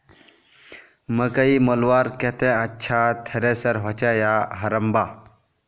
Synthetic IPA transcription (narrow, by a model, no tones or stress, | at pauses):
məkəimolʋaːɾkɛt̪ẽɐtːɕʰat̪ʰɐɾesəɾɦɔt͡ɕajaɦɐɾəmba